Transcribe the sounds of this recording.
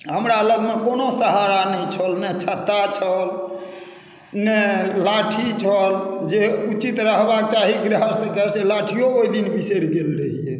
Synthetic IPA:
ɦəmɾaləɡmekonosəɦaɾanəĩt͡ʃʰəlnɛt͡ʃʰət̪ːat͡ʃʰəl | nɛlaʈʰit͡ʃʰəld͡ʒeut͡ʃit̪ɾəɦbak̚t͡ʃaɦiɡɾəɦəst̪ekəɾselaʈʰijooid̪inbiseɽɡelɾəɦiɛ

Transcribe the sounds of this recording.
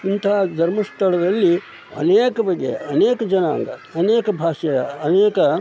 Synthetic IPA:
int̪ɐɦad̪ʱɐɾmɐst̪ʰɐɽɐd̪ɐlːi | ɐ̰neːkɐbɐɡːḛɐneːkɐd͡ʒɐna̰ːŋɡɐ̰ɐneːkɐbʱaːʂɐjɐɐneːkɐ

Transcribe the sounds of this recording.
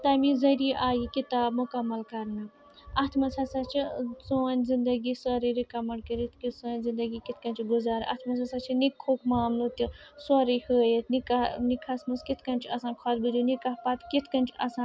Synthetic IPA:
t̪ɐmizɐɾiʔaːjikit̪aːbmʊkɐmːɐlkɐɾnɨ | ɐt̪ʰmɐsɐsɐt͡ʃʰisoːnʲzind̪ɐɡisɔɾiɾikɐmɐɳʈ̚kɐɾit̪ʰkisoːnʲzind̪ɐɡikit̪ʰkɐnʲt͡ʃʰiɡʊzaːɾɐ̰t̪ʰmɐsɐsɐt͡ʃʰinikʰːoːkʰmaːmnut̪isɔɾihəːjet̪nikanikʰɐsmuskit̪ʰkɐnʲt͡ʃʰɐsãːnkʰɐːt̪̚bɨd̪ʲunikɐpɐt̪kit̪ʰkɐnʲt͡ʃʰiɐsãː

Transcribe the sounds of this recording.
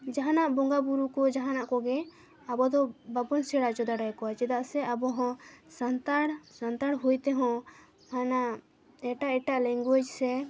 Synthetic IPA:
d͡ʒaɦanaʔbɔŋɡabuɾukɔd͡ʒaɦanaʔkɔɡɛ | abɔd̪ɔbabɔnsɛɽaʔt͡ʃɔd̪aɖajkɔwat͡ʃɛd̪aʔsɛabɔɦɔ̃sant̪aɽsant̪aɽɦujt̪ɛɦɔ̃ | hana | ɛʈaʔɛʈaʔlɛŋɡud͡ʒsɛ

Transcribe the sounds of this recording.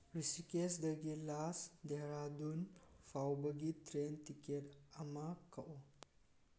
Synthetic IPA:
ɾisikesd̪əɡilasd̪eɾad̪unfʰawbəɡitɾentiketɐmakəʔo

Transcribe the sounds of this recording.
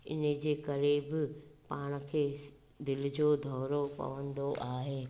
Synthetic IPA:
ɪ̰nə̆d͡ʑeːkɐɾebɪpaːɽ̃ə̆kʰeː | d̪ɪlɪd͡ʑoːd̪ʱɔːɾopɐ̰ʋə̃nd̪oʔaːɦeː

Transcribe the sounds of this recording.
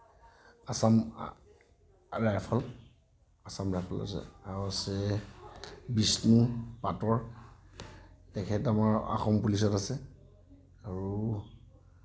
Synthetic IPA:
asam | ɹajpʰal | asamɹajpʰala̰sɛ̰aɹuasɛ | bisnupatɔɹ | tɛkʰɛtamaɹa̰xɔmpulis̬ɔtasɛ | aɹu

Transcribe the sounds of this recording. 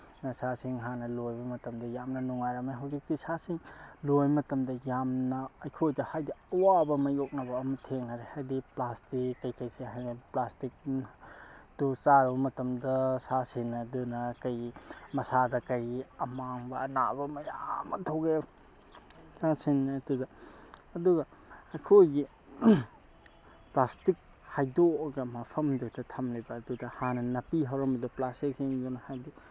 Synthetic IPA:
nɐsasiŋɦanɐlojbɐmɐtɐmdɐjamnɐnuŋajɾameɦawzikːijsasiŋlojmɐtɐmdɐjamnɐːjkʰojdɐhajdiɐwabɐmɐjok̚nabɐːmɐtʰeŋaɾehajdiplastikːɐjkɐjseɦajneplastik̚ | tusaɾbɐmɐtɐmdɐsasinɐdɯnɐkɐjmɐsadɐkɐjiɐmaŋbɐːna̰bɐmɐja̰mɐ̰tʰoɡe | sasinɐdudɐː | duɡɐɐkʰojɡi | plastik̚ | hajdoɡɐmapʰɐmdutʰɐtʰamlibɐːdudɐhanɐnɐpiɦawɾɐmbɐduplastik̚siŋdunɐhajdu

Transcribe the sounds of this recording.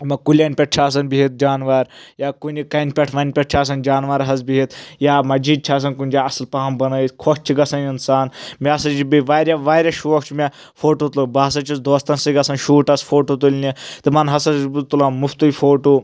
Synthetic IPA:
mɐkulʲɐnʲpʲɛʈ̚t͡ʃʰaːs̬ɐnbiɦit̪̚d͡ʒaːnʋaɾjakunʲd͡ʒikɐnpʲɐʈʰʋɐnʲpʲeʈ̚t͡ʃʰaːs̬ɐnd͡ʒaːnʋɐɾɦɐzbiɦit̪jaːmɐd͡ʒid̪̚t͡ʃʰaːs̬ɐnkunʲd͡ʒaɐslpaːmbɐnɐikʰot͡ʃʰiɡɐsɐninsaːnmʲɛɐsɐt͡ʃibiʋaːɾʲjaʋaːɾʲɐʃʋɐkʰt͡ʃʰmʲe | fʰoːʈoːt̪lɐbaːs̬ɐt͡ʃʰisd̪oːst̪ɐnsɨɡɐsɐnʃuːʈɐsfʰoːʈot̪ulʲnit̪ɨmɐnɦɐsɐbut̪ulamuft̪ufʰoːʈoː

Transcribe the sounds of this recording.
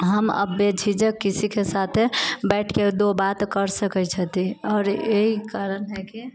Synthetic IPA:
ɦəmə̰bed͡ʒʱid͡ʒəkːisikesat̪ʰebɛɪʈʰked̪obat̪kəɾsəkət͡ʃʰət̪iɔːɾeɦikaɾənɦɛki

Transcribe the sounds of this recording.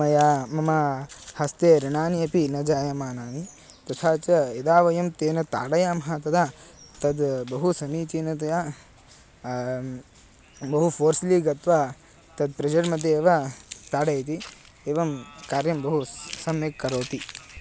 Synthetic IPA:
ɐjaːmɐmɐhɐst̪eːɾɐɳaːniɐpinɐd͡ʒaːjɐmaːnaːni | t̪ɐt̪ʰaːt͡ʃɐed̪aːʋɐjɐmt̪eːnɐt̪a̰ːɽɐjaːmɐɦɐt̪ɐd̪aːt̪ɐd̪bɐɦusɐmiːt͡ʃiːnɐt̪̬ɐjaː | bɐɦufʰoːɾsliːɡɐt̪ʋa | t̪ɐd̪̚pɾɐd͡ʒɐɽmɐd̪ʱːeːʋat̪aːɽɐjt̪̬i | eːʋɐmkaːɾjɐmbɐɦusɐmekːɐɾoːt̪i

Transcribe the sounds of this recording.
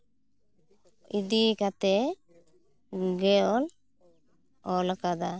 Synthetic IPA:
id̪ikat̪ɛ | ɡɛɔl | ɔlakad̪a

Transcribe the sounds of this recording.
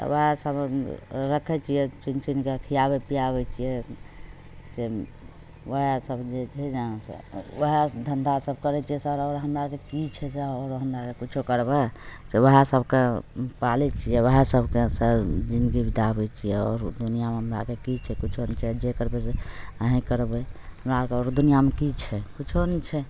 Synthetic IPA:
t̪ʋəɦesəbɾəkʰɛt͡ʃʰijɛt͡ʃint͡ʃinkekʰijabepijaβɛt͡ʃʰijɛ | se | ʋəɦesəbd͡ʒet͡ʃʰɛasḛʋəɦed̪ʱənd̪ʱasəbkəɾɛt͡ʃʰijɛsəɾɔɾɦəmɾakekit͡ʃʰɛseɔɾɦəmɾakekut͡ʃʰokəɾbɛseʋəɦesəbʱkepalit͡ʃʰijɛʋəɦesəbʱkesəɾd͡ʒind̪ɡibʱid̪abɛt͡ʃʰijɛɔ̰ɾd̪unijameɦəmɾakekit͡ʃʰɛkut͡ʃʰonit͡ʃʰɛd͡ʒekəɾbeseəɦĩkəɾbɛɦəmɾakeɔɾd̪unijamekit͡ʃʰɛkut͡ʃʰonit͡ʃʰɛ

